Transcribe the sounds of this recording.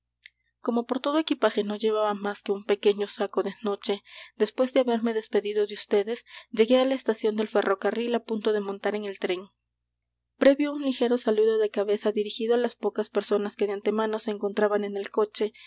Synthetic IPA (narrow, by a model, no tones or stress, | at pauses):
ko̞mo̞po̞ɾt̪o̞ð̞o̞ekipaxe̞no̞ʝe̞βaβamaskeumpe̞ke̞ɲo̞sako̞ðe̞no̞t͡ʃe̞d̪e̞spwe̞zd̪eaβe̞ɾme̞ðe̞spe̞ðiðo̞ðeust̪e̞ðe̞sʝe̞ɣe̞alaest̪asjo̞nd̪e̞lfe̞rʔo̞karilapunt̪o̞ðe̞mõ̞nt̪aɾe̞ŋe̞lt̪ɾeŋ | pɾe̞βjo̞unlixe̞ɾo̞saluðo̞ðe̞kaβe̞saðiɾixiðoalaspo̞kaspe̞ɾso̞naske̞ðeant̪e̞mano̞se̞ːŋko̞nt̪ɾaβane̞ne̞lko̞t͡ʃe̞